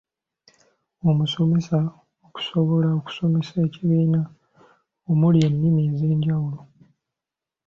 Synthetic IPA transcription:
omuso̞me̞sa | oku̥soβo̞laoku̥so̞me̞se̞ːciβiːna | omuljenːimiːze̞ːɲɟawulo̞

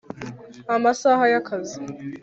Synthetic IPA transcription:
amasaɦajakʰazi

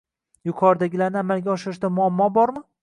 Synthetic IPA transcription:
jʊqʰɒɾd̪aɡʲɪlaɾnɪamalɡʲaɒʃɪɾɪʃd̪amʊamːɒbɒɾmɪ

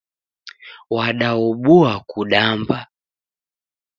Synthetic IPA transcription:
waɗaɔɓuakuɗamba

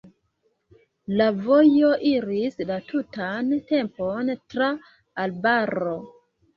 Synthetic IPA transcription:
lavo̞jo̞ʔiɾislatʰutante̞mpontɾaː | lbaɾo

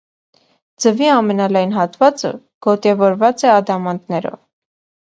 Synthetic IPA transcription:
d͡zəviɑmɛnɑlɑjnɦɑt̪vɑt͡sə̰ | ɡ̥ɔt̪ɛvɔɾvɑt͡sɛɑd̪ɑmɑnt̪nɛɾɔ̰v

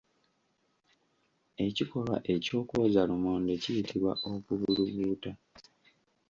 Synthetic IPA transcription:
e̞ciko̞lwa̰ʔe̞co̞ːkozalumoːnde̞cijitʰiβwa̰ʔokuβuluβuːta

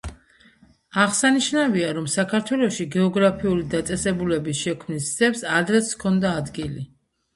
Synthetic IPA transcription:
aʁsaniʃnaviaɾɔmsakʰaɾt̪ʰwɛlˠɔʃiɡɛɔɡɾapʰiulid̪at̪sʼɛsɛbulɛbisʃɛkʰmnisd̪zɛpsad̪ɾɛt̪sʰkʰɔnd̪aːd̪ɡili

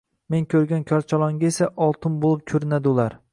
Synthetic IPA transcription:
me̞ŋkʰʲɵɾɡʲankʲʰɒɾt͡ʃʰɒlˠɒŋɡʲaesaʔɒlˠt̪ʰɪmbolˠɪp̚kʲʰɵɾɪnad̪ɪʊlaɾ

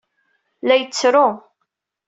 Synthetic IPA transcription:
læjət͡sːɾʊ

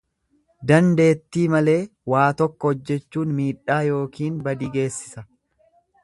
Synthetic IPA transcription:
d̪ɐnd̪e̞ːt̪ːiːmɐle̞ːwaːt̪ɔkːɔɔd͡ʒːɛt͡ʃːuːnmiːᶑaːjo̞ːkiːnbɐd̪iːɡe̞ːsːɪ̥sɐ

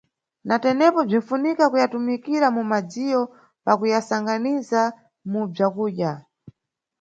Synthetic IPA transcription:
natɛnɛpɔb͡ʐin̩funikakujatumikiɾamumad͡zijɔ | pakujasaŋɡaniza | mub͡ʐakuːɗja

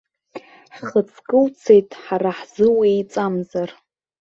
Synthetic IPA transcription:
ħχət͡sʰkʼɨlt͡sʰe̞jtʼħaɾaħz̥ɨwiejt͡sʼamzar

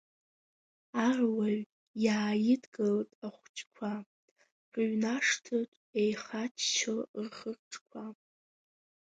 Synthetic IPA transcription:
arwaɥ | jaːjɪdɡɨltʼaχʷt͡ʃʰʼkʷʰa | rɥnaʂtʰɨtʼejχat͡ʃʰt͡ʃʰɨlrχərʈ͡ʂʰʼkʷʰa

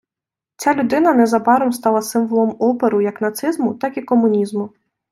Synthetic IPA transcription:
t͡sʲalʲud̪ɪnɐnɛzabaɾɔmst̪alˠɐsɨmvɔlˠɔmɔpɛɾɨjɐknat̪sɨzmut̪akikɔmunʲizmu

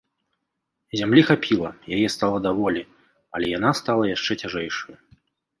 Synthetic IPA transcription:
zʲamlʲixapʲʰilˠɐjajɛst̪alˠɐd̪avɔlʲi | ɐlʲɛjanast̪alˠɐjaʂt͡ʂɛt͡sʲaʐɛjʂɐju

